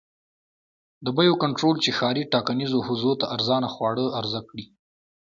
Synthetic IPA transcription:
d̪əbəjokaɳʈɾolt͡ʃexɑɾiʈɑkanizohʊzot̪aʔaɾzɑnaxwɑɽəaɾzakɽi

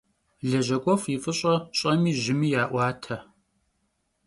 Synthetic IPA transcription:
ɮɐʒɐɡʷʼɔfifʼɨɕʼɐɕʼɐmiːʒɪmiːjaːʔʷɑːtʰɐ

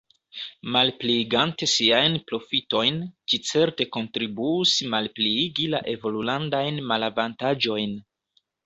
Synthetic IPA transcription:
malpliːɡante̞siajnpɾo̞fito̞jnt͡ʃit͡se̞ɾte̞ko̞ntɾibuusmalpliiɡila̰ʔe̞vo̞lulandajnmalavantad͡ʒo̞jn

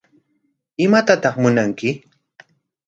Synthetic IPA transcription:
ɪmat̪at̪ɑχmʊnaŋkɪ

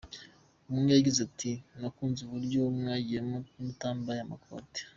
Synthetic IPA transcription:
umunɡajaɟizatʰinakuːnzuβuɾɟomŋaːɟijemomutaːmbajamako̰ːte̥

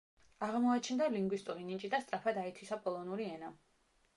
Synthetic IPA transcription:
aʁmɔat͡ʃʰɛnd̪aliŋɡwist̪ʼuɾinit͡ʃʼid̪ast̪ʼɾapʰad̪aɛt̪ʰisapʼɔlˠɔnuɾiɛna

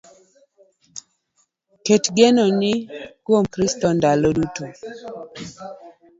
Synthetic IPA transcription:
ketɡenɔnɪkwomkɾistɔndaloduto

